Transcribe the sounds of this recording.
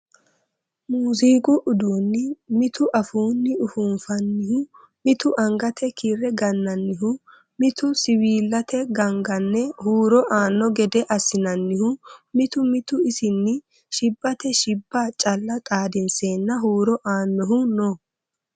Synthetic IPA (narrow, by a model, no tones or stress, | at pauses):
muːziːɡʼʊʔʊd̪uːnːɪmɪt̪ʊʔɐfuːnːɪʊfunfɐnːɪhʊ | mɪt̪ʊʔɐŋɡɐt̪ʰɛkʰirɛɡɐnːɐnːɪɦʊ | mɪt̪ʊsɪwiːlːɐt̪ʰɛɡɐŋɡɐnːɛhuːɾɔʔaːnːɔɡɛd̪ɛʔɐsɪnɐnːɪhʊmɪt̪ʊmɪt̪ʊɪsɪnːɪ | ʃɪbːɐt̪ɛʃɪbːaːt͡ʃʼɐlːɐt̪ʼaːd̪ɪnseːnːɐɦuːɾɔʔaːnːɔɦʊnɔ